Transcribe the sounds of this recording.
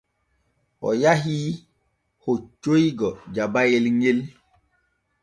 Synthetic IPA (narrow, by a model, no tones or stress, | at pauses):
ɔ̰jaɦiː | hot͡ʃoiɡɔd͡ʒabajelŋel